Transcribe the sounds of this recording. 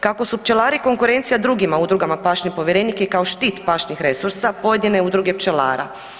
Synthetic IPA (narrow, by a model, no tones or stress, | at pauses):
kako̞supt͡ʃelˠaːɾiko̞ŋkuɾe̞nt̪sijad̪ɾuɡimaud̪ɾuɡamapaːʃɲepo̞ʋjeɾenikekaoʃt̪iːt̪paʃɲixɾe̞suɾsapo̞je̞d̪ineud̪ɾuɡe̞pt͡ʃela̰ːɾa̰